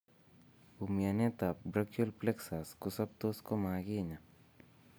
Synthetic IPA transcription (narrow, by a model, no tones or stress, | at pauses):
bumjanet̪apbɾɐkjulpleksaskʊsɐb̚t̪oːskomãːɡena